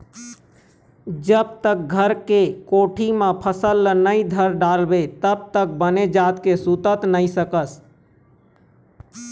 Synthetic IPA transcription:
d͡ʒəb̚t̪ək̚ɡʱəɾkekoʈʰimẽpʰəsəlːənəɪd̪ʱəɾɖalbet̪əb̚t̪ək̚bəned͡ʒat̪kesut̪ət̪nəɪsəkəs

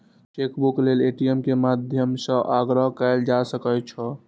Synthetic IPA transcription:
ʈekbukleleʈiemkemad̪ʱjəmsə̃ʔaɡɾəɦkɛɪld͡ʒasəkət͡ʃʰɔ

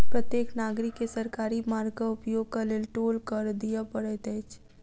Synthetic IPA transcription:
pɾət̪jeːknaːɡɾɪkːesəɾkaːɾimaːɾɡkaʊpjoːɡ̚kaleːlʈoːlkəɾd̪ijapəɽɛt̪ɛt͡ʃʰ

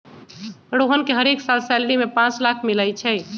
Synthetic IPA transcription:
əɽoɦənkeɦəɾeksalsɛlɽimepãt͡ʃlakʰmiləjt͡ʃʰɛ

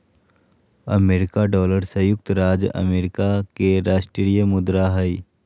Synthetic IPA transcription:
ɐ̰meːɾɪkaɖɔːləɾsəjʊk̚t̪ɾaːd͡ʒɐ̰meːɾɪkakeɾaːʃʈɾɾijəmʊd̪ɾaɦəi

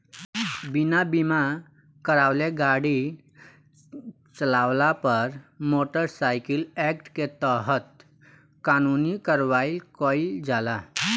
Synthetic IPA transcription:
binabima | kəɾawleɡaɽi | t͡səlawlapəɾmoʈəɾsajkilɛkʈket̪əɦət̪̚ | kanunikəɾʋailkəild͡zala

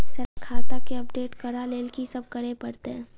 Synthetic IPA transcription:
sɐɾakʰaːt̪akeɐpɖeːʈkɐɾaleːlkisɐb̚kɐɾepɐɾt̪eɦɛ̃ː

